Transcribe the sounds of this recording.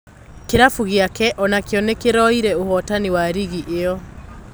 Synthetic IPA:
keɾafuɣjakɛʔɔnakeɔnekeɾɔiɾɛohɔtaniwaɾiɣiʔeɔ

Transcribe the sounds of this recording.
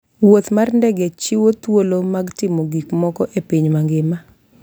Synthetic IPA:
wot̪marndɛɡɛt͡ʃɪwot̪wolomaɡtɪmoɡikmɔkɔʔepiɲmaŋɡɪma

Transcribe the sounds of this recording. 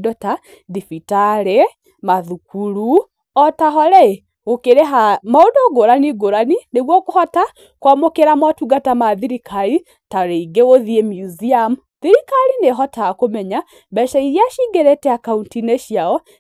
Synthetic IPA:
dɔta | ðifitaɾe | maðukuɾu | ɔtaɦɔɾɛ | okeɾeɦamaodoɡoɾaniɡoɾanineɣwɔkohɔta | kwamokeɾamatuɡatamaðiɾikaɾi | taɾeiɡeɣoðiemjuziamu | ðiɾikaɾineɦɔtaːkomɛɲa | bɛʃaiɾjaʃiɡɛɾɛtɛakauntineʃjaɔ

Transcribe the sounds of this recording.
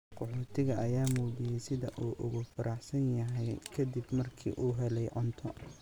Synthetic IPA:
qʰʊħoːt̪ʰɪɣɐʔɐjaːmuːdɪjɛjsɪðɐʔuːʔʊɣʊfɐɾɑħsɐnjɐɦɛjkʰɐd̪ɪbmɐrkʰḭːʔuːɦɛlɛjʕʊnt̪ʰɔ

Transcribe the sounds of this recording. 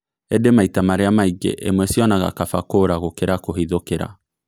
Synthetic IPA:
edemaitamaɾeamaiɡḛʔemwɛsiɔnaɣa̰kafakoɾaɣokeɾakoɦiðokeɾa̰

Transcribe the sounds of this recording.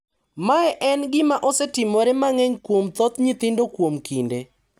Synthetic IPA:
maɛʔɛnɡɪmaʔɔsɛtɪmoɾɛmaŋɛɲkwomt̪ɔt̪ɲɪt̪ɪndokwomkinde

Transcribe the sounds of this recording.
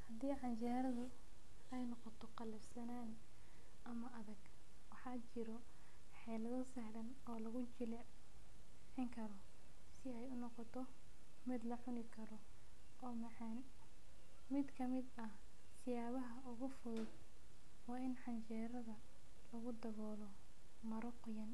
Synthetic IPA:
hɐd̪iːħɑnt͡ʃɛːɾɐðʊ | ɛjnɔqɔt̪ʰɔqɑlɐbsɐnaːn | ɐmɐʔɐðɐɡ | wɑħɑːt͡ʃɪɾɔ | ħɛlɐðɔsɛhlɐn | ɔːlɐɣʊt͡ʃɪl | ħɪŋkʰɐɾɔ | sɪɛjʊnːɔqɔt̪ʰɔ | mɪd̪lɐħʊnɪkʰɐɾɔ | ʔɔːmɐħɛn | mɪd̪kʰɐmɪd̪ɐh | sɪjaːβɐɦɐʊɣʊfʊðʊd̪ | wɑːɪnħɑɲt͡ʃɛːɾɐðɐ | lɐɣʊd̪ɐβɔːlɔ | mɐɾɔqʊjɐn

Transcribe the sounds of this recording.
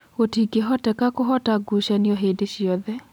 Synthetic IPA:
ɣotiɡeɦɔtɛkakoɦɔtaɡuʃaniɔɦeːdeɕjɔðɛ

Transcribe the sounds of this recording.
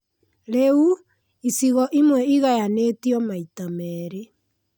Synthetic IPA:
ɾeu | isiɣɔʔimwɛiɣajaneːtiɔmaitamɛɾe

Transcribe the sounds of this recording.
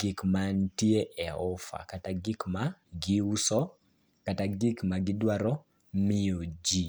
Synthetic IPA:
ɡɪkmantieʔɛɔfa̰kataɡɪkmaɡiusɔ | kataɡikmaɡɪdwaɾɔ | mɪod͡ʒi

